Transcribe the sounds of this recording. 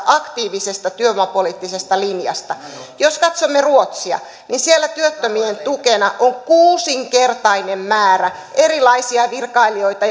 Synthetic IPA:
ʔɑkt̪iːʋisest̪ɑt̪yømuɑpoliːt̪ːisest̪ɑlinjɑ̰st̪ɑjoskɑt̪somːeruot̪siɑ̰ | ninsielːæt̪yøt̪ːømient̪ukenɑʔoŋkuːsiŋkert̪ɑinemmæːræ | ʔeɾilɑisiɑʋirkɑilio̞it̪ɑ

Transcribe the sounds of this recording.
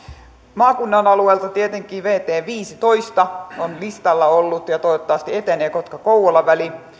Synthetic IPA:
mɑːkunːɑnɑlueːlt̪ɑt̪iet̪eŋkˑiːʋeːt̪eːʋiːsit̪oist̪ɑonlist̪ɑlːɑolːut̪jɑt̪oiot̪ːɑʋɑst̪iet̪eneːkot̪kɑkouwolːɑʋæli

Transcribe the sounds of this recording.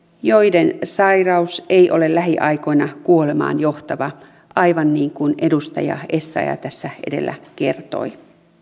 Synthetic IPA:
jo̞idensɑjrɑusejʔo̞le̞llæɦiʔɑjko̞jnɑkuo̞le̞mɑ̰ːnjo̞ht̪ɑʋɑ | ʔɑjʋɑnːiːŋkunʔe̞dust̪ɑ̰jɑ̰e̞sːɑ̰jɑ̰t̪æsːæʔe̞̰de̞̰lːæ̰ke̞rt̪o̞̰i

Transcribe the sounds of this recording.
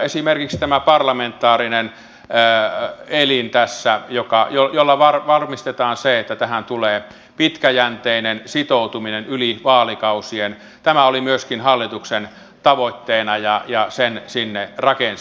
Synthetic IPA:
esimerkikst̪æmæpɑrlɑment̪ːˑɑːrinenː | elint̪æsːæjokɑjojolːɑʋɑrʋɑrmist̪et̪ɑːnseet̪ːæt̪æhænt̪uleː | pit̪kæjænt̪einensit̪out̪uminenyliʋɑːlikɑusien | t̪æmæolimyøskinhɑlːit̪uksen | t̪ɑʋoit̪ːeːnɑjɑjɑsensinːerɑkens

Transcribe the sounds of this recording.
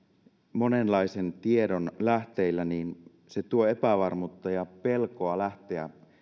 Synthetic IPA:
mo̞nenlɑisent̪ie̞donlæht̪eilːæniːn | set̪uoepæʋɑrmut̪ːɑjɑpelkoɑlæht̪eæ̰

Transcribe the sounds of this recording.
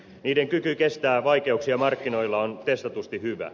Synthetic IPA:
niːdeŋkykyke̞st̪æːʋɑike̞uksiɑmɑrkːino̞ilːɑont̪e̞st̪ɑt̪ust̪ihyʋæ̰

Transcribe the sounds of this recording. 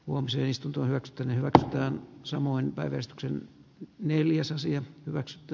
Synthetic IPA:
huomisḛːnist̪unt̪oːnhyʋæksy̥t̪ːæːnehyʋæksyt̪ˑæːnsɑmoinpæiʋærst̪y̥ksenneljæsɑsiɑhyʋæksy̥t̪ːˑæː

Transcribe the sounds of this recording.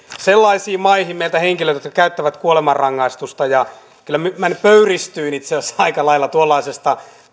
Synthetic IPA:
selːɑisiːmɑihimmeilt̪æheŋkiløt̪jot̪kɑkæyt̪ːæʋæt̪kuolemɑrrɑŋːɑist̪ust̪ɑjɑ | kylːæmymænːpøyrist̪yːnit̪sesɑikɑlɑilːɑt̪uolːɑisest̪ɑ

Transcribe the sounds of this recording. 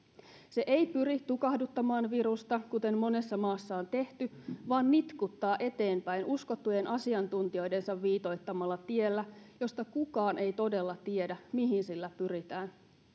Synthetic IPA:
se̞ʔejpyɾit̪ukɑhdut̪ːɑmɑːnʋiɾust̪ɑkut̪e̞mːo̞ne̞sːɑmɑːsːɑont̪e̞ht̪yʋɑːnːit̪kut̪ːɑːʔe̞t̪e̞ːmpæjnusko̞t̪ːuje̞nʔɑsiɑnt̪unt̪io̞jde̞nsɑʋːiːt̪o̞jt̪ːɑmɑlːɑt̪ie̞lːæjo̞st̪ɑkukɑːnʔe̞jt̪o̞de̞lːɑt̪ie̞dæmiɦinsilːæpyɾit̪æːn

